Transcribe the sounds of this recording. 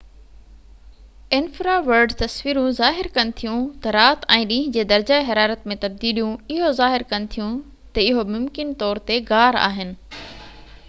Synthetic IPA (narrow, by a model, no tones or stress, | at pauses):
ɪnfɾaʋɐɾɖt̪ɐsʋiːɾũzaːɦɪɾkɐnɪ̆t̪ʰijũt̪ɐɾaːt̪ɛ̃ːɗĩːɦɪ̃d͡ʑeːd̪ɐɾd͡ʑaːɦɐɾaːɾət̪mẽt̪ɐb̚d̪iːlijũɪɦozaːɦɪɾkɐnɪ̆t̪ʰijũ | t̪ɐɪɦomʊmkɪnt̪ɔːɾt̪eɡaːɾa̰ːɦɪnɪ̆